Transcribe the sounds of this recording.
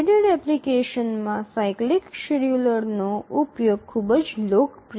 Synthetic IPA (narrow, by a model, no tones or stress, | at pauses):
ɖəɖɛplikeʃənmãsaiklikʃeljuləɾnoʔupjoɡ̚kʰubəd͡ʒlokpɾ